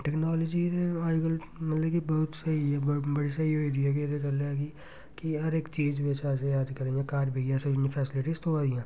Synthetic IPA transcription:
ʈɛːknaːlɔːd͡ʒid̪eaːɡəl | mɐt̪ləbkibɐɦʊt̪sɐibɐɽisɐioɪːɖijak̬eɾekɐleki | kiɦɐɾeːkt͡ʃiːd͡ʒʋet͡ʃaːs̬ejaːd̪kɐɾẽːɡekaːɾbʱiɡjaːsenifʰɛːsɪlɪʈist̪oaːd̪ijãː

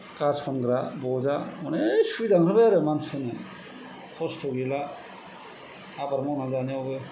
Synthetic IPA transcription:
kaspʰanɡɾabɔzamɔnesuidaŋɾɯbeɾɯmanspʰanɯ | kʰɔstʰɯwila | abaɾmawnazaneawbɯ

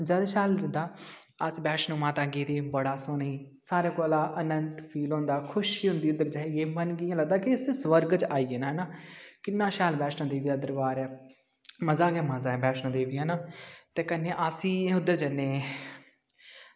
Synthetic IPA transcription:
d͡ʒəd̪ʃaːld͡ʒəd̪aː | əsbɛːʃnõːmaːt̪aːɡeːd̪eːbəɽaːsoniː | saːɾeːkoːlaːʔənənt̪pʰiːlɦõːnd̪aːkʰʊʃiːɦʊ̃nd̪iːʊd̪ːəɾd͡ʒaːiɡeːmənɡɪjãːləɡd̪aːkɪɪsesʋəɾɡt͡ʃaːiːeːnaːɦɛnaːkɪnːãːʃaːlbɛːʃnãːd̪eːʋiːd̪aːd̪əɾbaːɾɛː | məzaːɡɛːməzaːɛːbɛːʃnãːd̪eːʋiːaːnaːt̪eːkənːeːʔasĩːʊd̪əɾd͡ʒənːeː

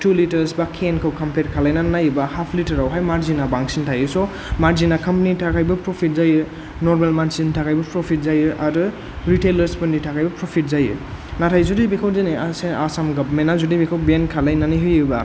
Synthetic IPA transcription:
tulitɐɾsbakʰenkʰawkʰɐmpeɾkʰalajnanajɯbɐhapʰlitɐɾawɦajmaɾzinabaŋsintʰajɯsɔ | maɾzinakʰɐmpanitʰakʰajbɐpɾopʰit̚zajɯ | noɾmalmansintʰakʰajbɐpɾopʰit̚zajɯʔaɾɯ | ɾitelɐɾspɯnditʰakʰajbɐpɾopʰit̚zajɯ̰natʰajzudibekʰawzeniaseasamɡabmenːazudibikʰawbenkʰalajnaniɦɯjɯbɐ̰

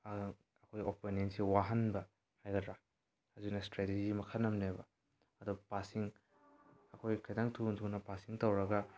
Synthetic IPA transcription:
ɐkʰojopenensewaɦɐnbɐ | hajɡɐtdɾa | ɐzinɐstɾeted͡ʒimɐkʰɐnːɐmnebɐ | ɐdupasiŋ | ɐkʰojkʰɐjdaŋtʰuntʰunɐpasiŋtɐwɾɐɡɐ

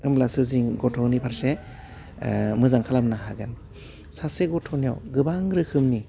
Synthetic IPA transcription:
ɯmlasɯziŋɡɔtʰɔnipʰaɾse | mɯzaŋkʰalamnaɦaɡɯn | saseɡɔtʰɔnija̰wɡɯbaŋɾɯkʰɯmni

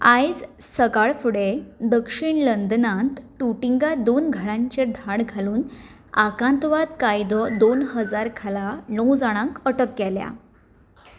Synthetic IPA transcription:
ajd͡zsəɡaɭfuɽed̪əkʂiɳlənd̪nãt̪ʈuʈiŋɡad̪onɡʱəɾãɲt͡ɕed̪ʱaɽɡʱaluːn | akãnt̪ʋat̪kajd̪ɔd̪onɦəd͡zaɾkʰalanəwd͡zaɽ̃ãŋkəʈəkːɛlja̰

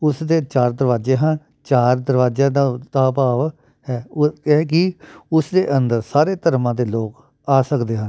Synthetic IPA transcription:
ʊsd̪eːt͡ʃaːɾd̪əɾʋaːd͡ʒeːɦən | t͡ʃaːɾd̪əɾʋaːd͡ʒãːd̪ad̪aːpaːʋ | hɛːɛːkɪʊsd̪eːʔənd̪əɾsaːɾeːt̪əɾmãːd̪eːloːk | aːsəkd̪eːɦən

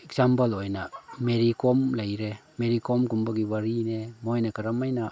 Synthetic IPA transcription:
eksampalojnameɾikomlajɾemeɾikomkumbaɡibaɾinemojnakaɾamajna

